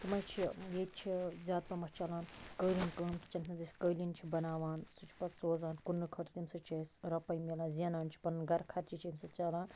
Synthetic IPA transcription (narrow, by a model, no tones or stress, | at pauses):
t̪umɐjt͡ʃʰijeːt̪̚t͡ʃʰizʲaːd̪̚pɐmɐt͡ʃɐlaːnkəːlʲinkəːnʰt͡ʃɐnt̪ʰnɐzisʲkəːlint͡ʃʰibɐnaːʋaːnsut͡ʃʰi̥pɐt̪soːzaːnkunːɨkʰɐʈ̪ʰt̪imsɐt͡ʃɐːsɾɐpɐjmilaːnzʲɐnaːnt͡ʃʰi̥pɐnɡɐɾkʰɐɾt͡ʃit͡ʃʰiimsɐt͡ʃɐlaːnn